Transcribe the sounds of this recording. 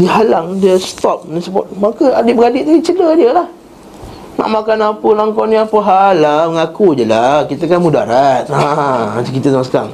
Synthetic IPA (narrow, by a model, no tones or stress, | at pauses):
diɦalaŋdiəst̪ɔp̚nəsəpɔ̰t̪̚makəadɪʔbəɡadiʔt̪uit͡ʃələd͡ʒəlah | na̰ʔmakanapəlaŋkɔniapəɦalaməŋakud͡ʒəlakit̪əkanmudaɾat̪̚aat͡ʃukit̪əsamasə̥kaŋ